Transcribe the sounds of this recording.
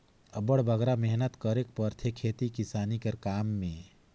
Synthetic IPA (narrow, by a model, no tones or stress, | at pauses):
əbəɽbʱəɡɾamɛɦnət̪kəɾek̚pəɾt̪ʰekʰeːt̪ikisaːnikəɾkaːmːẽ